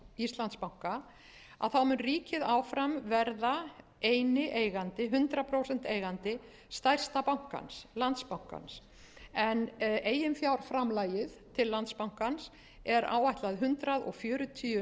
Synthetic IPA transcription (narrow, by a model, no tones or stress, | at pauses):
ist̪lant̪spawŋ̥ka | a̰ðθawmʏnriːcɪðaːwfɾamvɛɾða | eːjnɪʔeːjɣant̪ɪɦʏnt̪ɾapʰɾowsɛn̥t̪eːjɣant̪ɪ | st̪ajr̥st̪apawŋ̥ka̰nslant̪spawŋ̥ka̰ns | ɛneːjɪmfjawɾ̥fɾamlajɪðt̪ʰɪlːant̪spawŋ̥kans | ɛɾa̰ːwaht̪laðɦʏnt̪ɾaðɔ̰ɣfjœːɾʏt̪ʰiːʏ